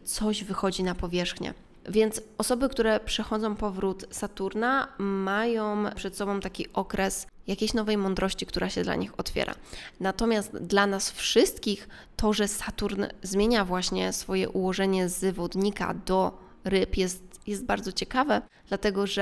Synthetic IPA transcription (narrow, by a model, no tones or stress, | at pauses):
t̪sɔʑvɘxɔd͡ʑinapɔvʲjɛʂxɲɛ̰ | vʲjɛnt̪sɔsɔbɘkt̪uɾɛpʂɛxɔd̪zɔ̃w̃pɔvɾut̪sat̪uɾnamajɔ̃w̃pʂɛt̪sɔbɔ̃w̃t̪akʲiʔɔkɾɛsjakʲejɕnɔvɛjmɔnd̪ɾɔɕt͡ɕikt̪uɾʔaɕɛd̪la̰ɲixɔt̪fʲjɛ̰ɾa̰nat̪ɔmʲjast̪d̪lanasfʂɘst̪kʲix | t̪ʰɔʐɛsat̪uɾnzmʲjeɲavwaɕɲɛsfɔjɛ̰ʔuwɔʐɛɲɛzvɔd̪ɲika̰d̪ɔ | ɾɘpjɛst̪jɛst̪̚baɾd̪zɔt͡ɕɛkavɛd̪lat̪ɛɡɔʐɛ